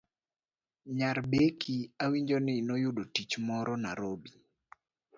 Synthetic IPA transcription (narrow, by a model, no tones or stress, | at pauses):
ɲaɾbekʰiawiɲd͡ʒonɪnojʊdotit͡ʃmɔɾɔna̰ɾobi